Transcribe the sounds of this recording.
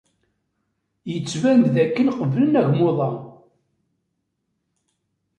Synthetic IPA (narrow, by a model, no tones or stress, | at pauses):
jət͡sːvænðækːənqəvlənæʝmoðˤɑ